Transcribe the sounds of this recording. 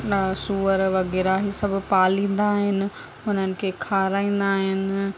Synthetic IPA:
suːəɾʋɐɣɛːɾaɦisɐbʱʊ̆paːlĩːn̆d̪aːɦɪnɪ̆ | ʊnənɪ̆kʰeːkʰaːɾaːĩːn̆d̪aːɦɪnɪ̆

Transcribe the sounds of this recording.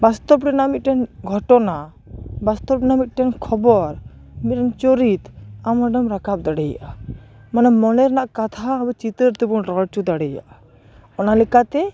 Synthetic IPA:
bast̪ɔpɖinamit̪̚ʈɛnɡʱɔʈɔna | bast̪ɔp̚ɖinamit̪̚ˀʈɛnkʰɔbɔɾ | mit̪̚ʈɛnt͡ʃɔɾit̪amaɖɔmɾakap̚d̪aɽɛja̰ʔamanamɔnɛɾnaʔkat̪ʰabɛt͡ʃit̪əɾt̪ɛbunɾɔɽt͡ʃud̪aɽɛja̰ʔa | ɔnalɛkat̪ɛ

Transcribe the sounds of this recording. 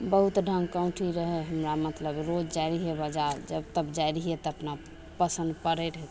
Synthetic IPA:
bəɦut̪ɖʱə̃ŋɡkə̃ʊ̃ʈʰiɾəɦɛɦəmɾamət̪ləbɾod͡ʒd͡ʒajɾiɦebəd͡ʒaɾd͡ʒəbt̪əbd͡ʒajɾiɦet̪əʈna | pəsənd̪̚pəɾeɾɦɛt̪

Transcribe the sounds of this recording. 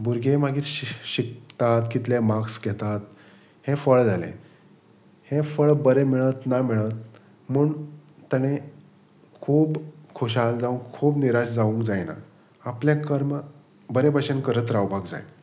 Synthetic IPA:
buɾɡʱemaɡiːt̪ɕik̚t̪at̪kit̪lemaksɡɛt̪at̪̚ | hẽfəɭd͡zalḛ̃ | hẽfəɭbəɾemiɭət̪namiɭət̪̚ | muːɳt̪əɽ̃e | kʰuːbkʰoɕald͡zaũŋkkʰuːbniɾaɕd͡zaʋũŋkd͡zajna̰ː | pljakəɾm | bəɾebʱaɕənkəɾət̪ɾaʋbʱaɡd͡za̰j

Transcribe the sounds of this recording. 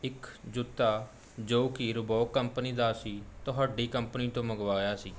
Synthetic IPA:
ɪkd͡ʒʊt̪ːaː | d͡ʒoːkɪɾʊbɔːkəmpəniːd̪aːsiːt̪oɦaːɖiːkəmpəniːt̪õːməɡʋaːjaːsiː

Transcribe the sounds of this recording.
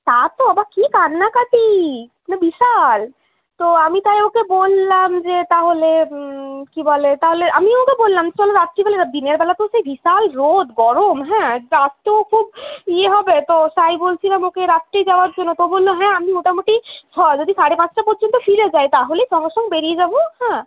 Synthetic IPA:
t̪at̪oabakikanːakat̪i | nabiʃal | t̪oamit̪ajokebolːamd͡ʑet̪aɦole | kibɔlet̪aɦoleʔamiokebolːamsɔleɾat̪ːɾibalead̪iniaɾbɛlat̪osejbʱiʃalɾod̪ɡɔɾomɦɛ̃ɾast̪okʰubieɦɔbet̪osajbolt͡ʃʰilamokeɾat̪ɾed͡ʑawaɾd͡ʑonːot̪obolːoɦɛ̃amimoʈʰamoʈit͡ʃʰɔd͡ʒod̪isaɽepãt͡ɕʰʈapɔɾd͡ʑont̪ofʰiɾed͡ʑaet̪aɦoleʃɔŋɡeʃɔŋɡbeɾied͡ʑabohɛ̃

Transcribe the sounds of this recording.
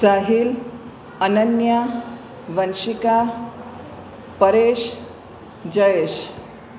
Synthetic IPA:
saɦil | ənənja | ʋənɕika | pəɾeɕ | d͡ʑəjeɕ

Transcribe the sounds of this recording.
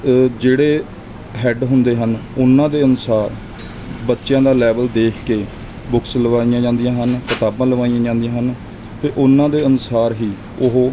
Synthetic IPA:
d͡ʒeːɽeː | ɦɛɖɦʊnd̪eːɦənʊnːãːd̪eːənʊsaːɾ | bətːʃjãːd̪aːlɛːbəld̪eːkʰkeː | bʊksləʋaːijãːd͡ʒãːnd̪ijãːɦənkɪt̪aːbãːləʋaːijãːd͡ʒãːnd̪ijãːɦən | t̪eːʔʊnːãːd̪eːənʊsaːɾɦiː | ʊɦoː

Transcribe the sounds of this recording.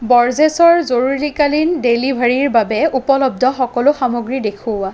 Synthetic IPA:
bɔɹzesɔɹzoɹuɹikalindelibʱaɹiɹbabɛupɔlɔb̚dʱɔxɔkɔlʊxamoɡɹidekʰʊwa

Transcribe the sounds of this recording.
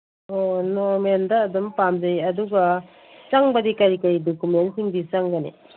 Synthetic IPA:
onoɾmendɐːdumpamd͡ʒɐjɐduɡɐ | t͡ʃaŋbɐdikɐɾikɐɾidokumentsiŋbit͡ʃaŋɡɐnḭ

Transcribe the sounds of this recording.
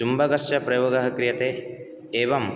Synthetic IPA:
umbɐɡɐsjɐpɾɐjoːɡɐɦɐkɾijɐt̪e | eːʋɐm

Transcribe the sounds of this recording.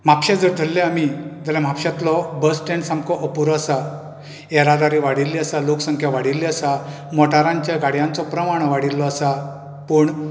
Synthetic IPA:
m̤apɕad͡zəɾd̪ʱəlːɛamid͡z̪alam̤apɕat̪lɔbəsʈẽɳɖsãŋkɔʔəpuɾɔəsa | ɛɾad̪aɾiʋaɽilːiəsaloksəŋkʰjaʋaɽilːiəsa | mɔʈaɾãɲt͡ɕjaɡaɽjãnt͡sɔpɾəmaɽ̃ɔʋaɽilːɔəsa | pəːɳ

